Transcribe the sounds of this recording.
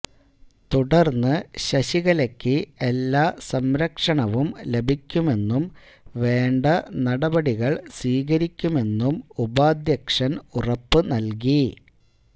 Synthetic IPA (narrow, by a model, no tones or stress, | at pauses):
t̪uɽɐrnːɨɕɐɕiɣɐlɐkʲːɨelːaːsɐmɾɐkʂɐɳɐʋumle̞bʱikʲːume̞nːum | ʋe̞ːɳɖɐnɐɽɐbɐɽiɣɐɭsiːɣɐɾikʲːume̞nːumubaːd̪jɐkʂɐnurɐpːɨnɐlk̬i